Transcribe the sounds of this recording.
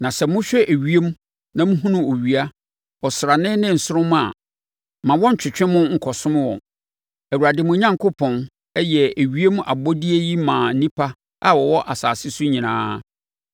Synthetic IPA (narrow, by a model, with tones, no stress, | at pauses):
nã˨sɛ˨mʊ̃˦ɕᶣɛ˦ʔe˨ɥi˦e˦m˦ | nã˨m̩ũ˦ɦũ˦nʊ̃˦o˨ɥi˨a˦ | ɔ˨sɾa˨nɪ̃˦nɪ̃˦n̩˨sʊ˦ɾʊ̃˦m̃˦a̰˨ | mã˨wɔ̃˦ɲ̩˨t͡ɕʰᶣɪ˨t͡ɕᶣɪ̃˦mʊ̃˦ŋ̩˨kʰɔ˨sʊ̃˦m˦wɔ̰̃˨n | æ˨wu˨ɾa˨dɪ˨mʊ̃˦ɲã˦ŋkʊ˦pʰɔ̃˨n | ɛ˦jɛ˨e˨ɥi˦e˦m˦ʔa̰˨bɔ˦di˦e˦ji˦mãː˨n̩˦nĩ˦pʰa˦ | a˦wɔ˨wɔ˦ʔa˨saː˨sɪ˦su˦ɲĩ˨nã̰ː˦